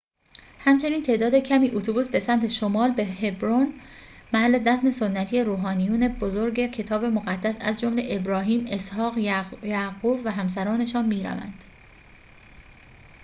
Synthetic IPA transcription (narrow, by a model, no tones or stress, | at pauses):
hæmt͡ʃʰe̞niːnt̪ʰe̞ːd̪ɒːd̪e̞cʰæmiːʔut̪ʰubuːsbe̞sæmt̪ʰe̞ʃomɒːlbehe̞bɾon | mæhælːe̞d̪æfne̞sonːæt̪ʰijeɾuːɦɒːnijuːne̞bozoɾɟecʰe̞t̪ʰɒːbe̞moɣæd̪̥ːæsæ̰zd͡ʒomle̞ʔebɾɒːɦiːme̞shɒːɣjæɡuːbvæɦæmsæɾɒːne̞ʃɒːnmiːɾæ̰væ̰nd̪̥